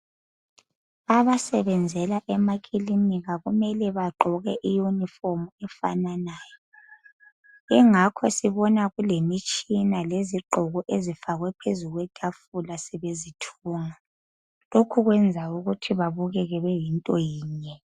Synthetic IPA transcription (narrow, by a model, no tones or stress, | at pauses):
aβasɛβɛnd͡zʱɛlaʔɛmaɣilimiɣaɣumɛlɛβaǃʱɔɣɛʔijunifɔmuɛfa̰nanaːjɔ | iŋakʰɔsiβɔnaɣulemit͡ʃʼinaleziǃʱɔɣɔʔezifaɣwɛpʰezuɣwɛɡ̥ʰʼʱafulasɛβezitʰuːŋa | lokʰuɣwɛnd͡zʱauɣutʰiβaβuɣɛɣɛβɛjintʼɔjiːɲɛ